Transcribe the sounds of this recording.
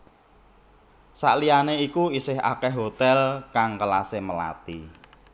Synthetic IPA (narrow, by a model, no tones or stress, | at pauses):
sa̰ʔlianeikuisɪɦa̰kɛɦɦot̪ɛlkaŋkəlaseməla̰t̪ḭ